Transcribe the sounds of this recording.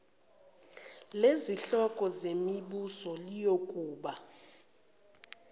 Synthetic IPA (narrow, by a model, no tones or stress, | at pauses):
leziɬɔkʼɔzemiɓusɔlijokʼuːɓa